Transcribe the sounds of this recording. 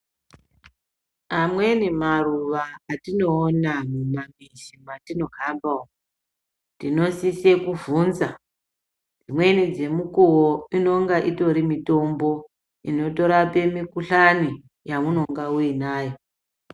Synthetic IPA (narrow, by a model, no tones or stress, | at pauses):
amwe̞nimaruʋaːtino̞ːnamumamiʃimatino̞kambao | nino̞sise̞kuvunza | d͡zimwe̞nid͡ze̞mukuwoino̞ŋɡaʔito̞ɾimito̞mbo̞ | ino̞to̞ɾape̞mikuɬani | jamuno̞ŋɡauinaːjo